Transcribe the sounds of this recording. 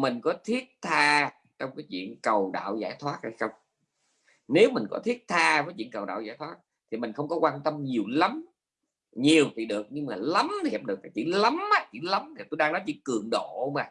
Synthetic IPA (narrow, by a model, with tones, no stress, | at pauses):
mï˨˩ŋ̟kɔ˨˦t̪ʰi˦˥ət̚t̪ʰaː˧ | t͡ɕɔ˧wŋ͡mkaː˨˦jt͡ɕwḭ˧˨ənkə˨˩wɗa̰ː˧˨wzaː˧˩jt̪ʰwaː˦˥t̚ha˧jxə˧wŋ͡m | ne˨˦wmï˨˩ŋ̟kɔ̰˨˦t̪ʰi˦˥ət̚t̪ʰaː˧vəː˨˦jt͡ɕḭ˧˨ənkə˨˩wɗa̰ː˧˨wzaː˧˩jt̪ʰwaː˦˥t̚ | t̪ʰi˨˩mï˨˩ŋ̟xə˧wŋ͡mkɔ˨˦kwaː˧nt̪ə˧mɲi˨˩əwlə˨˦m | ɲi˨˩əwt̪ʰi˨˩ɗɨ˨˩ək̚ɲɨ˧ŋmaː˨˩lə˨˦mt̪ʰi˨hɛː˨˩ɗɨ˨˩ək̚faː˨˩jt͡ɕḭ˧˩lə˨˦maː˨˧˩t͡ɕi˧˩lə˨˦mt̪ʰi˨˩t̪o˧jɗaː˧ŋnɔ˨˦jt͡ɕḭ˧˨˥kɨ˨˩əŋɗo̰˧˨maː˨˩